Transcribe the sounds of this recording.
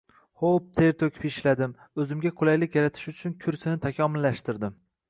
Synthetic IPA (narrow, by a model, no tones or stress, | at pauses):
χop̚t̪ʰe̞ɾt̪ʰokʲʰɪ̥peʃlad̪ɪm | ɵzɪmɡʲaqʰʊlajlɪkʲjaɾat̪ʰɪ̥ʃʊt͡ʃʰʊnkʲʰʊɾsɪnɪt̪ʰakʲʰɒmɪlːaʃt̪ɪɾd̪ɪm